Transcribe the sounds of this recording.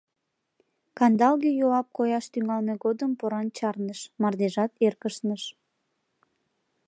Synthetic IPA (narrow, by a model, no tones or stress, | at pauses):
kɑnd̪ɑlɣejoɑp̚kojɑʃt̪yŋɑlneɣod̪əmpoɾɑnt͡ɕɑrnəʃmɑrd̪eʒɑt̪erkəʃnəʃ